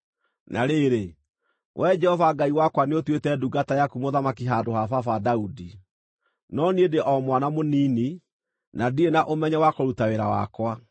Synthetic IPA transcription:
nʔaɾeɾe | wʔɛd͡ʒɛhɔvaɡaiwakwaneotwetɛduɡatajakumoðamakiɦaːdoɦafafadaudi | nɔniedeʔɔmwanamoniːni | nadienaʔomɛɲɛwakoɾutaweɾawa̰kwa

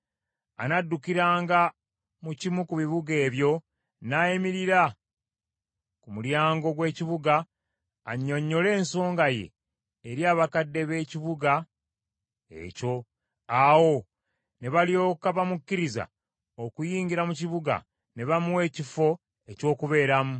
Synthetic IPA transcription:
a̰nadːukiɾaːŋɡa | mucimukuβiβuɡe̞ːβjo̞ | najimiɾiɾa | kumuljaːŋɡo̞ɡwe̞ːciβuɡaː | ɲːo̞ɲːo̞le̞ːnso̞ːŋɡaje̞̰ː | ɾjaːβakadːe̞βe̞ːciβuɡa | e̞̰co̞ | awo̞ | ne̞βalio̞ːkaβamukːiɾiza̰ | okujiːɲɟiɾamuciβuɡa̰ | ne̞βamuwe̞ːcifo̞ | e̞co̞ːkuβe̞ːɾamu

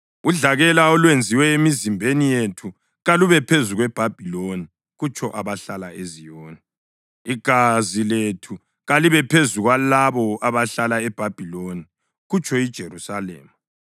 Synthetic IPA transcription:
uɮaɣɛlaɔlwend͡zʱiwɛemizimbʱenijetʰu | ɣaluβɛpʰezuɣwɛb̥ʱab̥ʱiloni | ɣut͡ʃʼʰɔʔaβaɬalaʔezijɔːna | iɡ̥ʱaziletʰu | ɣaliβɛpʰezuɣwalaβɔaβaɬalaɛb̥ʱab̥ʱiloni | ɣut͡ʃʼʰɔid̥ʒ̥ʱerusalḛːmu

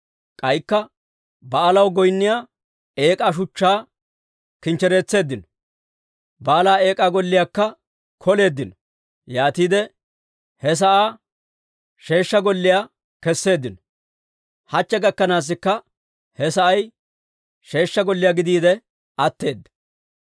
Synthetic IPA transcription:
kʼɐjkːɐ | bɐʔːlɐwɡɔjnːɪjaː | e̞ːkʼaːʃ̬ʊt͡ʃːaː | kɪnt͡ʃːɛɾe̞ːt͡sːe̞ːd̪ːɪnɔ | baːlaːe̞ːkʼaːɡɔlːɪjaːkːɐ | kʰɔle̞ːd̪ːɪn | jaːt̪iːd̪ɛ | hɛs̬ɐʔaː | ʃe̞ːʃːɐɡɔlːɪjaː | kɛsːe̞ːd̪ːɪnɔ̥ | hɐt͡ʃːɛɡɐkːɐnaːs̬ːɪkːɐ | hɛsɐʔɐj | ʃe̞ːʃːɐɡɔlːɪjaːɡɪd̪iːd̪ɛ | ɐt̪ːe̞ːd̪ːɐ̥

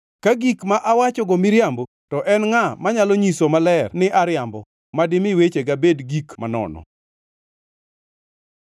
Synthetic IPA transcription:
kaɡikmaʔawat͡ʃɔɡɔmɪɾjambo | tɔʔɛnŋamaɲalɔɲisomalɛrnɪʔaɾjambɔ | madɪmɪwet͡ʃeɡabedɡikma̰nɔ̰nɔ̰

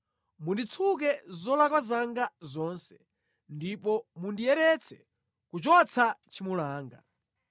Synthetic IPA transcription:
mundit͡sʰuk̬ɛzɔlakwazaŋɡazɔnsɛ̥ | ndipɔmundijɛɾɛt͡sʰɛ̥ | kut͡ʃɔt͡sʰat͡ʃimulaːŋɡa̰

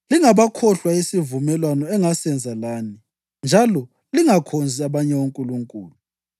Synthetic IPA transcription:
liŋaβakʰɔɬwaisivumɛlwanɔɛŋasɛnd͡zʱalaːni | nd͡ʒʱalɔ | liŋakʰond͡zʱiaβaɲɛwoŋkʼuluŋkʼṵːlu

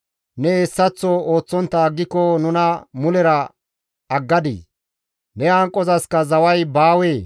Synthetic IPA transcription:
nɛesːɐt͡sːɔo̞ːt͡sːɔnt̪ːɐːɡːɪkːɔnʊnɐmʊlɛɾɐ | ɐɡːɐd̪ḭː | nɛaŋkʼːɔzɐskɐzɐwɐjbaːweː

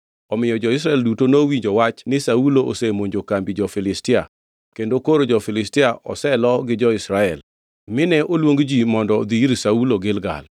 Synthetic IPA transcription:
ɔmɪjɔd͡ʒɔɪs̬ɾaɛldutonowiɲd͡ʒowat͡ʃnɪsauloʔo̰semoɲd͡ʒokambid͡ʒɔfɪlɪstɪa̰ | kendokoɾod͡ʒɔfɪlɪstɪaʔɔ̰sɛlɔɡɪd͡ʒɔɪsɾaɛl | mɪnɛʔolwoŋɡd͡ʒimɔndɔd̪iɾsauloɡɪlɡa̰l

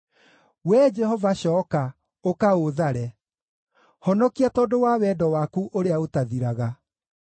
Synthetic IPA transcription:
wɛd͡ʒɛhɔvaɕɔːka | okaoðaɾɛ | hɔnɔkiatɔdowaːwɛdɔwaːkuʔoɾeaotaðiɾaɣa

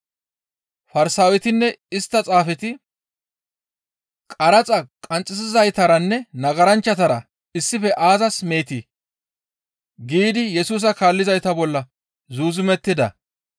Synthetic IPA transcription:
fɐɾsaːwɛt̪ɪnːɛɪst̪ːɐt͡sʼaːfɛt̪ɪ | kʼɐɾɐt͡sʼɐkʼɐnt͡sʼɪsɪzɐjt̪ɐɾɐnːɛnɐɡɐɾɐnt͡ʃːɐt̪ɐɾɐ | ɪsːɪfɛʔaːzɐsme̞ːt̪i | ɡiːd̪ɪjɛsuːs̬ɐkaːlːɪzɐjt̪ɐbɔlːɐ | zuːzʊmɛt̪ːɪd̪ɐ̰

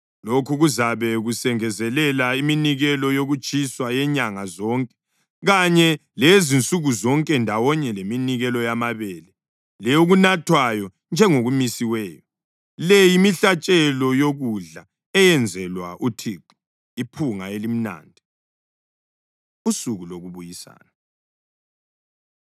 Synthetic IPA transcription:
lokʰuɣuzaβɛɣusɛŋɛzɛlɛlaiminiɣɛlɔjoɣut͡ʃʼiswajɛɲaŋazɔːŋkʼɛ̥ | ɣaɲɛlezint͡sʼuɣuzɔŋkʼɛndʱawɔɲɛleminiɣɛlɔjamaβɛlɛ | lɛjoɣunatʰwajɔ | nd͡ʒʱɛŋoɣumisiwɛːjɔ | lɛjimiɬat͡ʃʼɛlɔjoɣuɮa | ɛjɛnd͡zʱɛlwa̰ʔutʰiːǃu̥ | ipʰuŋaelim̩na̰ːndʱi | usuɣuloɣuβujisa̰ːna

